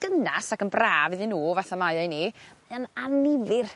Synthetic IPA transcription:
ɡ̥ənasakənbraːvɪðinuːvaθamajajniananɪvɪr

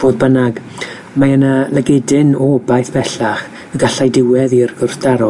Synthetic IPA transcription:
b̥oːðbənaɡ | majənalˠəɡɛdɪnɔbajθb̥ɛɬaχ | əɡaɬajdɪwɛðirɡɔrθd̥aɾɔ

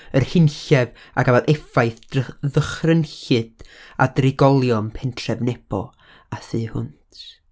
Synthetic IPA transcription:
ərhɪnɬɛv | aɡavɛlˠʔɛfajθðəχrənɬɨd̥a̰drɪɡɔlˠjɔnpʰɛntʰrɛvnɛb̥ɔ̰ | aθɨːhʊntʰ

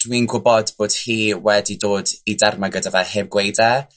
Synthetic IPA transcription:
d̥wiːnɡʊbɔdb̥oːd̥hiːwɛdidoːdidarmaɡədavɛhɛvɡwejda

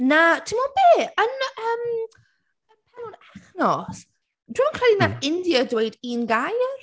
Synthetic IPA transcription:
natʰimɔbeːənəːm | ənpʰɛlɔnaθnɔs | d̥wɪmɔnkrɛdinaθɪndjədwejdinɡajr

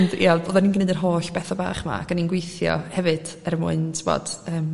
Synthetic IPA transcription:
ndḭaboːðɛninɡənɨdənɦoːɬb̥ɛθɔba̰ːχma̰akaninɡwejθjɔ̰hɛvɨd̥ | ɛrmʊɨntʰvɔ̰d̥əːm

